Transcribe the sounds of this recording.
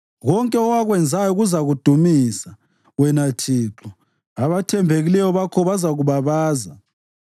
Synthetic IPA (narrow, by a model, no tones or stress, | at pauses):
ɣɔŋkʼɛɔwaɣwɛnd͡zʱajɔuɣuzaɣud̥ʱumisa | wɛnatʰiːǁɔ | aβatʰɛmbʱeɣilɛjɔβakʰɔβazaɣuβaβaːza